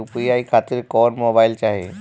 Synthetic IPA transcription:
ʊpijaːikʰaːt̪ɪɾkɔːnmoːbaːɪlt͡ʃaːɦiḛ

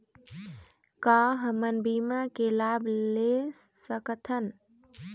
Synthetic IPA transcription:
kaːɦəmənbiːmakelaːbʱle | səkət̪ʰən

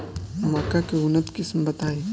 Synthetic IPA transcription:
mɐkakeʊnət̪kɪsmbɐt̪aːe

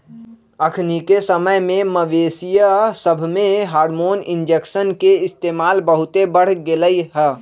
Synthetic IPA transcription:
əkʰnikesəməjmẽməʋeːsijasəbʱmẽɦaːɾmoːnɪ̃nd͡ʒekʃənkeɪst̪eːmaːlbəɦʊt̪ebəɽ̤ɡeləiɦɛː

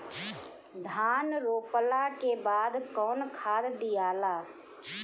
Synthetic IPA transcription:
d̪ʱaːnɾoːpəlakebaːd̪kɔːnkʰaːd̪d̪ɪjaːlaː

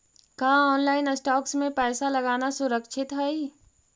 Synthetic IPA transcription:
kaːɔːnlaːɪnəsʈɔːksmẽpɛːsalɐɡaːnasʊɾəkʃʰɪt̪ɦɛi

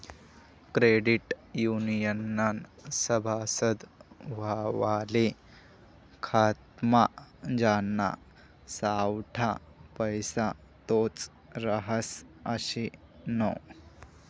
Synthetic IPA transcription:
kɾeɖiʈjunijənːansəbʱasəd̪ʋ̤aʋale | kʰat̪̚mad͡ʑanːa̰ | sawʈʰa | pəjsa | t̪ot͡s | ɾəɦəsəɕi | nɔ

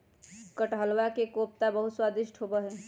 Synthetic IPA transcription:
kəʈɦəlwakekop̚t̪abəɦut̪swad̪iʃʈɦobəɦɛ

